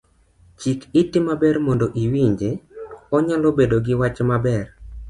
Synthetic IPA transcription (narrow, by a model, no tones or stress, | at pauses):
t͡ʃikitːɪmabɛrmondoʔiwiɲd͡ʒeɔɲalobedoɡɪwat͡ʃmabɛr